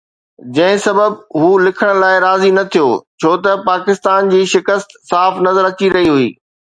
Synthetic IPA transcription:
d͡ʑɐ̃ɦɪ̃sɐbəbɦuːlɪkʰəɽ̃̆laːɪɾaːzinɐt̪ʰijoːt͡ɕʰoːt̪ɐpaːkɪst̪aːnd͡ʑiːʃɪkəst̪saːfnɐzəɾɐt͡ɕiɾɐɦiɦuḭː

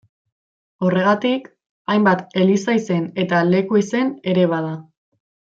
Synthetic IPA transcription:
o̞re̞ɣ̞at̪ik | ajmbat̪e̞lisajse̞ne̞t̪ale̞kuise̞ne̞ɾe̞β̞að̞a

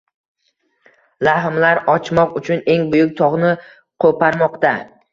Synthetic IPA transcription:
lahmlaɾɒt͡ʃʰmɒqʊt͡ʃʰʊne̞ŋbʊjʊk̚ʲt̪ʰɒʁnɪ | qʰopʰaɾmɒqt̪a

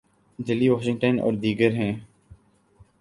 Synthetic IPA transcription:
d̪ɪlːiːʋoːʃɪ̃ŋɡʈənɔ̰ːɾd̪iːɡəɾɦɛ̃ː

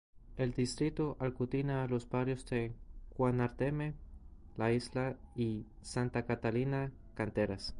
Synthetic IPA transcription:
eld̪ist̪ɾit̪oʔalkut̪inaːlosbaɾjozd̪ekwanaɾt̪emelaizlai | sant̪akat̪alina | kant̪eɾas

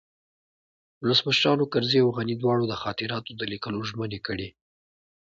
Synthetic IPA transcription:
wʊləsməʃɾɑnokaɾziawɣanid̪wɑɽod̪əxɑt̪ɪɾɑt̪od̪əlikəloʒmənekəɽi

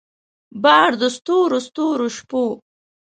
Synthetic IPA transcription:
bɑːɽd̪əst̪oːɾost̪oːɾoʃpo

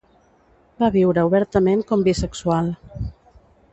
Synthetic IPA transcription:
baβiwɾəuβɛɾt̪əmeŋkɔmbisəksual

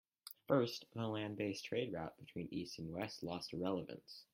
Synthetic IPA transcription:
fɜ˞stðəlæ̃nbeɪstʰɹ̥eɪd̚ɹaʊt̚b̥ɨtʰw̥ĩnḭstn̩wɛstˡlɔstəɹɛlˠəvɨ̰̃ns

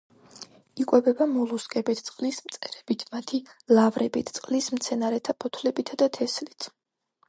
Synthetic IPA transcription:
ikʼwɛbɛbamɔlˠuskʼɛbɛt̪ʰt̪sʼqʼlismt̪sʼɛɾɛbit̪ʰmat̪ʰilˠavɾɛbit̪ʰt̪sʼqʼlismt̪sʰɛnaɾɛt̪ʰapʰɔt̪ʰlɛbit̪ʰad̪at̪ʰɛslit̪ʰ

